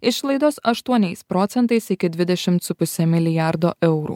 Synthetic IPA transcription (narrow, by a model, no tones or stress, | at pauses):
ɪʃlˠɐɪd̪oːsɐʃt̪uɔnʲɛɪspɾɔːt̪sʲɛnt̪ɐɪsɪkʲɪd̪ʲʋʲɪd̪ʲɛʃʲɪmt̪sʊpʊsʲɛmʲɪlʲɪjæɾd̪o̰ːʔɛʊɾṵː